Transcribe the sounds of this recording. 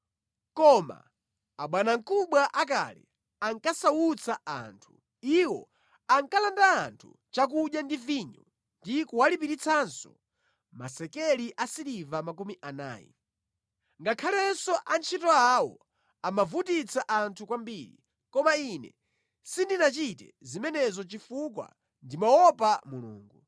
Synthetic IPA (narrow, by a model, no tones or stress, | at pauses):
kɔma̰ | aɓwanaŋkuɓwaʔak̬a̰lɛ | aŋkasawut͡sʰaa̰ntʰu̥ | iwɔ̰ | aŋkalandaːntʰu | t͡ʃak̬uɗjandiviɲɔ | ndikuwalipiɾit͡sʰansɔ | ma̰sɛkɛliʔasiɾivamakumiʔana̰ːjḭ | ŋɡakʰalɛsɔʔant͡ʃʰitɔawɔ̰ | amavutit͡sʰaʔantʰukwambiːɾḭ | kɔmainɛ | sindinat͡ʃitɛ̰zimɛnɛzɔt͡ʃifuk̬wa̰ | ndimaɔpamulṵːŋɡu